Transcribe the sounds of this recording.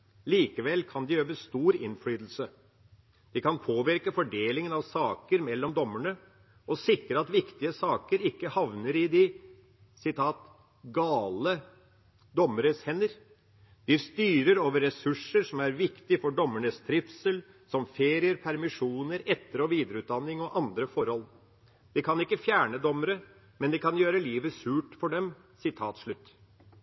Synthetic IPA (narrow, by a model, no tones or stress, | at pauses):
liːkəʋɛlːkʰɑnd̪ɪjøːʋəst̪uːɾɪnfɽyːd̪l̩sə | d̪̥ɪkʰɑnpʰoːʋɪɾkəfɔɖeːlɪŋənɑʋsɑːkəɾmɛlːɔmd̪ɔmːəɳə | ɔsɪkːɾəɑt̪ʋɪkt̪ɪəsɑːkəɾɪkːəhɑʋnəɾɪd̪ɪ | sɪt̪ʰɑːt̪ | ɡɑːlə | d̪ɔmːəɾəshɛnəɾ | d̪̥ɪst̪yːɾəɾoːʋəɾːɛsʉʂəɾʂɔmæɾʋɪkt̪ɪfɔɖɔmːəɳəst̪ʰɾɪfsəl | sɔmfeːɾɪəɾpʰæɾmɪʂuːnəɾɛt̪ːəɾɔʋiːd̪ɾəʉːt̪̚d̪ɑnːɪŋɔʔɑnd̪ɾəfɔɾhɔl | d̪̥ɪkʰɑnɪkːəfjæːɳəd̪ɔmːəɾə | mɛnd̪ɪkɑnjøːɾəliːʋəsʉːʈfɔɖɛm | sɪt̪ʰɑːt̪ʂɭʉt̪ː